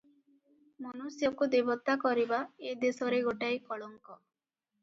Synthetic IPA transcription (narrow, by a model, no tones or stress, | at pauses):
mɔnusjɔkud̪ebɔt̪akɔɾibaed̪esɔɾeɡoʈajkɔɭɔŋkɔ